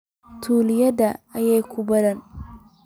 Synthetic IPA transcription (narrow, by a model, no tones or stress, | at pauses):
tʰuːlɪjɐdaajajkʷubɐɾɐn